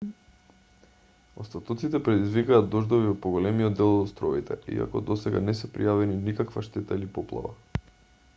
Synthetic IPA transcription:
ost̪at̪ɔt̪sit̪ɛpɾɛd̪izvikaːd̪ɔʒd̪oviɔt̪̚poɡolɛmiɔd̪ːɛlˠɔd̪st̪ɾɔit̪ɛ̰ḭa̰kɔ̰d̪ɔsɛɡa̰nɛsɛpɾḭjavɛninikakvaʃt̪ɛt̪ailipɔplˠa̰va̰

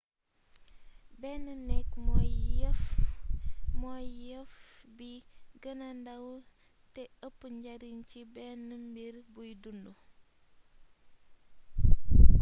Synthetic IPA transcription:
bɛnːənɛk̚mɔjf | mɔjjəfbiɡənɐndɐw | tɛəpːəɲɟɐɾincibɛnːəmbirbujdundu

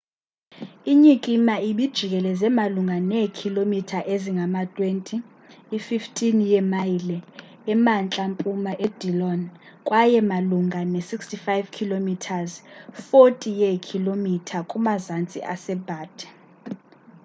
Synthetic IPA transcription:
iɲikʼimaiɓid̥ʒ̥ʱik̬ʼɛlɛzɛmaluŋɡʱanɛkʰilomitʰaʔeziŋɡʱamatʼwentʼiː | fiftʰʼinjɛmajilɛ | ɛmant͡ɬʼampʼumaʔed̥ʱilɔn | kʼwʔajɛmaluŋʱanesikstʼifajvkʰilomitʰazfotʼijɛkʰilomitʰakʼumazant͡sʼḭʔasɛb̥ʱaːdʰʱʼɛ̥

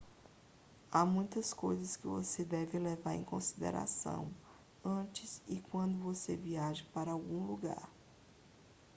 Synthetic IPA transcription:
amũj̃t̪ɐskojzɐskɪvosed̪ɛvɪlevaɾḛ̃j̃kõsid̪ḛɾʔa̰sɐ̰̃w̃ | ɐ̃t͡ʃɪzɪkwɐ̃nd̪ʊvoseviaʒɐpaɾɐawɡũluɡa̰ɾ

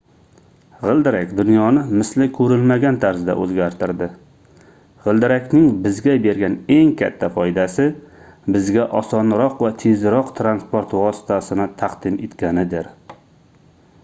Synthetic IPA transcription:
ʁɨlˠd̪ɪɾakʲd̪ʊnjɒnɪmɪslɪkʲʰɵɾɪlmaɡʲant̪ʰaɾzɪd̪a̰ʔɵzɡʲaɾt̪ʰɪɾd̪ɪ | ʁɨlˠd̪ɪɾakʲnɪŋbɪzɡʲabe̞ɾɡʲane̞ŋkʲʰa̰t̪ʰːafɒjd̪asɪbɪzɡʲaʔɒsɒnɾɒqvat̪ʰezɾɒqt̪ʰɾanspoɾt̪vɒsɪ̥t̪ʰasɪnɪt̪ʰɑqd̪ɪme̞t̪kʲanɪd̪eɾ

